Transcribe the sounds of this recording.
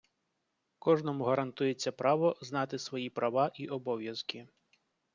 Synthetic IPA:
kɔʒnɔmuɦɐɾɐnt̪ujet͡sʲːɐpɾɑʋɔznɑt̪ɪsʋɔjipɾɐʋɑʔiʔɔbɔʋʲjɐzkʲɪ

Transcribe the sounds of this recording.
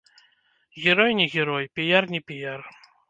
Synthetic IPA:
ɣʲɛɾɔjnʲɛɣʲɛɾɔjpʲijarnʲɛpʲijar

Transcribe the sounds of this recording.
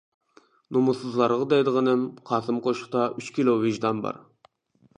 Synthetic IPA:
numusɨzlˠɑɾʁɑd̪ɛjd̪əʁənɨmqʰɑːsɨmqʰoʃχt̪ɑʔyt͡ʃkʲʰilˠovɪʒd̪ɑnbɑ̰ɾ

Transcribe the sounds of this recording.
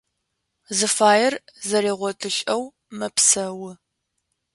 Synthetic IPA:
zɨfaːjɪrzɐɾeːʁʷɔtʼɨɕʼɐw | mɐpsɐwʊ

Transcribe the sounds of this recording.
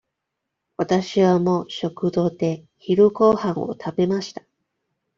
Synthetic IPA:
βat̪aɕiβamo̞ɕo̞kɯ̟d̪o̞ːd̪e̞ | çiɾɯ̟ko̞ːhãɰ̃o̞̰t̪ʰabe̞maɕi̥t̪ḁ

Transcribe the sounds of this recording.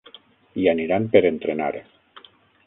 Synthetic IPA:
ianiɾampeɾent̪ɾena̰ɾ

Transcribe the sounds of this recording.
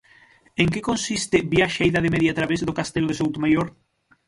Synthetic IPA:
eŋkekonsist̪ɪbjaʃajðaðemeðjat̪ɾaβezðokast̪eloðesowt̪omajoɾ

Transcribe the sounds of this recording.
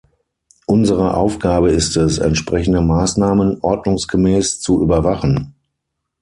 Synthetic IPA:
ʔʊnzəʁəʔa̰ʊfɡ̥aːbəɪstɛsɛ̰ntʃpʁ̥ɛçn̩dəmaːsnaːmənʔɔɐdnʊŋsɡ̥əmɛːst͡suʔyːbɐvaχn̩

